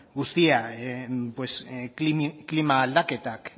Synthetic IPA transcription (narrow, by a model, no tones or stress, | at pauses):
ɡust̪ia | pwesiklimaːld̪aket̪ak